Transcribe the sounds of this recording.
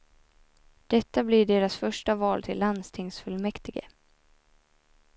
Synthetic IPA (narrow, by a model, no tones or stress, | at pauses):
d̪̥ɛt̪ːablɪɖeːɾasfœʂʈavɑːlt̪ʰɪ̰lːand̪st̪ʰɪŋsfɵlmɛkt̪ɪɡə̰